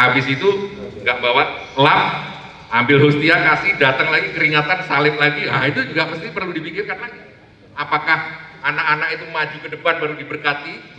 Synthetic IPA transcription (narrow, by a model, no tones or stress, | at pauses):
abɪsit̪uŋɡaʔbawalam | ʔambɪlɦust̪iakasɪhdat̪əŋlaɡikəɾiŋat̪ansalɪp̚laɡiahit̪ud͡ʒuɡaməst̪ipərludipikɪrkanlaɡi | apakahanakanakit̪umad͡ʒukədəpanbaɾudibərkat̪i